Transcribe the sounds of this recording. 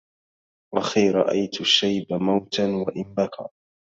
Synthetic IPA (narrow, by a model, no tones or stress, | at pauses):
waxiːɾˤɑ̰ʔa̰jt̪ʊʃːajbamawt̪anwaʔɪmbakɑ̰ː